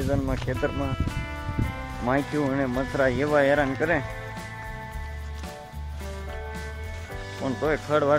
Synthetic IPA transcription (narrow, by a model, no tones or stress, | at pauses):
zənmãːkʰeːt̪əɾmãː | mãːit̪ʰjuːəneːmət͡sʰɾaːjeʋaːeːɾaːnkəɾẽː | pəɳt̪oːeːkʰəɽʋaː